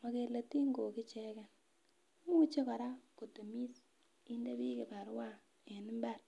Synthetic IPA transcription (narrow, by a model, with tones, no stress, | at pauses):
mwa˨ke˨la˨ti˦ŋɡo˨ki˦t͡ʃɛ˦kɛ˨n˦ | mu˦t͡ʃe˦kɔ˨ɾa˦ko˨to˨mi˦s | i˦nde˦bi˦ke˨pa˨ɾwa˦ | e˨nɪ˦mba˦˨r